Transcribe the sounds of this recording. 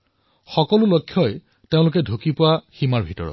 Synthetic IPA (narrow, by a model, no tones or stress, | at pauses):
xɔkɔlʊlɔjkʰːjɔj | teʊ̃lʊkɛdʱukipʊwaximaɹbʱitɔ̰ɹɔ̰t